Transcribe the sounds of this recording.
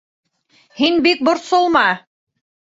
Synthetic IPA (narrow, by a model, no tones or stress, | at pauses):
hinbik̚bŏɾt̪solˠmɑ